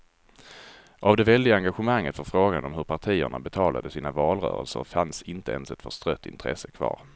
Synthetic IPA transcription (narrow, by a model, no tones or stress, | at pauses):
ʔavd̪ɛvɛld̪ɪɡaaŋɡaɧəmaŋːət̪fɔɾfɾoːɡanɔmhɵɾpʰaʈʰiːə̰ɳa̰bɛt̪ʰɑːla̰d̪əsiːnavɑːlɾœ̰ːɾə̰lsəɾfansɪnt̪əɛnsɛt̪fœʂt̪ɾœt̪ːɪ̰nt̪ʰɾɛ̰səkʰvɑ̰ːɾ